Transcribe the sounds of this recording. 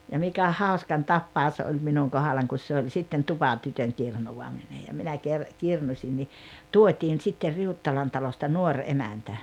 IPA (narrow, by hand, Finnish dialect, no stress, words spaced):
jɑ mikæ hɑoskɑn tɑpːɑos olʲ minuŋ kohɑlɑŋ kus se olʲ sitːen tupɑtytøŋ kirnuwɑmine jɑ minæ ker kirnusʲin ni tuotʲiːn sitːer riutːɑlɑn tɑlostɑ nuorʲ emæntæ